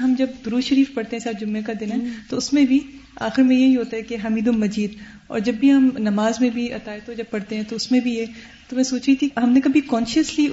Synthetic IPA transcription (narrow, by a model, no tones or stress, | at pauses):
ɦɐmd͡ʒɐb̚d̪ʊɾuːʃɐɾiːfpɐɽt̪eɦɛ̃saːɾd͡ʒʊmːekad̪ɪnɦɛt̪oʊsmẽbʱia̰ːxɪɾmẽjeɦiɦoːt̪aɦɛkeɦɐmiːd̪ʊmɐd͡ʒiːd̪ | ɔ̰ːɾd͡ʒɐbːʱiɦɐmnɐmaːzmẽbʱiɐ̰t̪aːet̪od͡ʒɐb̚pɐɽt̪eɦɛ̃t̪oʊsmẽbʱije | t̪omɛ̃ːsoːt͡ʃɾit̪ʰiɦɐmnẽkɐbʱikɔːnʃəsli